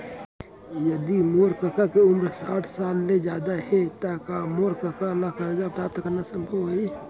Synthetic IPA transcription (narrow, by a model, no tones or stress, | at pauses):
jɐd̪imoːɾkəkakeʊmɾsaːʈʰsaːlːed͡ʒjaːd̪aɦɛt̪akamoːɾkəkaɐlːakaɾd͡ʒapʈaːp̚t̪ɐkənasə̃mbʱoi